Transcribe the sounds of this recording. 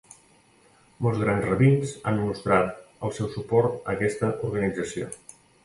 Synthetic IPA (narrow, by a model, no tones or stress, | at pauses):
mɔlˠzɣɾanzrəβinza̰nmust̪ɾat̪əlˠsɛwsupɔɾt̪əkɛst̪əʔuɾɣənid͡zəsio̰